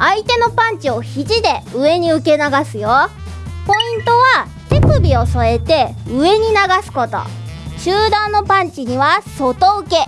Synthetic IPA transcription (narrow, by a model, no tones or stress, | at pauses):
ait̪e̞no̞pãɲ̟t͡ɕio̞çiʑid̪e̞ɯ̟e̞ɲ̟iɯ̟ke̞naɡasɨjo | po̞ĩnt̪o̞βa | t̪e̞pɯ̟bʲio̞so̞e̞t̪e̞ɯ̟e̞ɲ̟inaɡasɨ̥ko̞t̪o̞̰ | ɕɨːd̪ãnːo̞pãɲ̟t͡ɕiɲ̟iβaso̞t̪o̞ɯ̟ke̞